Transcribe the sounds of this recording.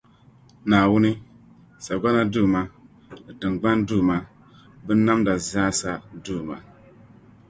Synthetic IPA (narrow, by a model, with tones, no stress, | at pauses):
naː˨wʊ˦ni˦ | sa˨ɡʷa˦na˦duː˦˨ma˦ | ɨ˨tɨ˨ŋɡ͡ba˦nduː˦˨ma˦ | bɨ˦n˦na˦mda˨zaː˦sa˦duː˦˨ma̰˨